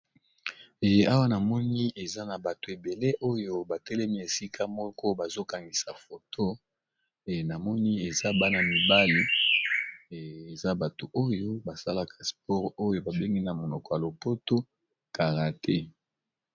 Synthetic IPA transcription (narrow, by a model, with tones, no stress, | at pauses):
e˨˦a˦wa˦na˨mɔ˦ni˦e˨za˦na˨ba˨to˨e˨be˨le˦ʔo˦jo˦ba˨tɛ˦lɛ˦mi˦e˨si˦kʰa˦mɔ˦kɔ˦ba˨zo˦ka˨ŋɡi˨sa˨fo˨tʰo˦˨ | na˨mɔ˦ni˦e˨za˦ba˦na˨mi˨ba˦li˦˨ | e˨za˦ba˨to˨ʔo˦jo˦ba˨sa˦la˦ka˨spɔ˦ʁo˦jo˦ba˨be˦ŋɡi˦na˨mo˨nɔ˨kɔ˨ja˨lo˨po˦to˦ | ka˨ʁa˨tʰe˦